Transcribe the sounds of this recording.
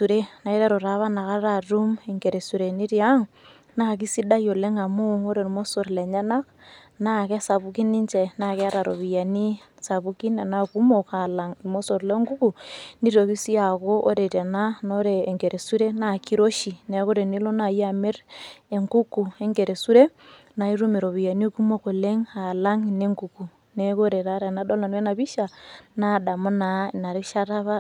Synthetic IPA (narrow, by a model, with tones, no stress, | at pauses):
tu˨ɾe˦na˨i˦ɾa˦ɾo˨ɾa˨˦βa˦na˨ka˦ɾa˨ɾu˦me˨ŋɡe˨ɾe˨su˨ɾe˨ni˦ɾi˨a˦ŋ | na˦k̬i˦si˦da˦jo˨le˦ŋa˨mo˦o˦ɾe˨n˨mo˦so˨ɾlɛ˨ɲɛ˦na˦k | na˦kɛ˦sa˨βu˦ki˦ni˦ɲt͡ʃɛ˨na˦˨kɛ˦ɾa˨ɾo̰˨βi˨ja˨ni˦ | sa˨βu˦ki˦na˨na˦ku˦mo˨ka˨la˨ŋ˨mo˦so˨ɾlɛ˦ŋɡu˦ku˨ni˦ɾo˨βi˦si˦a˨ɣo˦ʔo˦ɾe˨ɾe˨na˦no˦ɾeː˨ŋɡe˨ɾʔe˨su˦ɾe˦na˨ki˦ɾo˦ʃi˨ne˨ɣo˦ɾe˨ni˦lo˦na˨ja˦me˦ɾe˨ŋɡu˦ku˨e˦ŋɡe˨ɾe˨su˦ɾe˦ | na˨i˦ɾu˦me˨ɾo˨βi˨ja˨ni˦o˦ku˦mo˦ko˨le˦ŋha˨la˦ŋne˦ŋɡu˨ku˨ | ne˦ɣo˦ɾe˨ɾa˦ɾa˨na˦do˦la˨n˦ɛ˦na˨βi˦ʃa˨na˦da˨mo˦na˨e˨na˨ɾi˦ʃa˦ɾa˦βa˦